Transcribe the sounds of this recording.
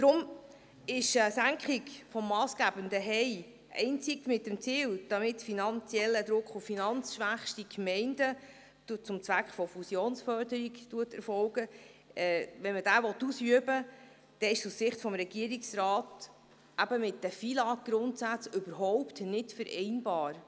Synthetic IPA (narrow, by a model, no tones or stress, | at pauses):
d̥ɾʊm | ɪʃəsæŋkχɪkfɔmːɑːsɡ̥æb̥əndəɦɛɪ | ɛ̰ɪnt͡sɪkmɪt̚ːəmt͡siːld̥ɑmɪtfinɑnt͡sjɛlːəd̪ɾʊkχuffinɑnt͡sʃʋæχʃtikmɛɪndə̥ | t͡sʊmt͡sʋækχfɔfusjoːnsfœɾdəɾiktuətɛɾfɔlɡəɛːʋɛnmədæːʋɔtːusyəbə | d̥ɛɪʃussɪχtfɔmɾɛɡ̥iəɾiksrɑːt | ʔæbəmɪtdæfilɑɡ̥ɾʊntsæt͡sʏbəɾɦɔʊptnɪtfəɾʔɛ̰ɪnbɑːɾ